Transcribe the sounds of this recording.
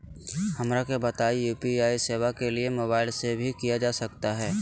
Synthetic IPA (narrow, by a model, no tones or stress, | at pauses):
hɐmɾakebɐt̪aːijuːpiaːiseːʋakeliemoːβaːɪlsebʱikijad͡ʒaːsɐkt̪aɦɛː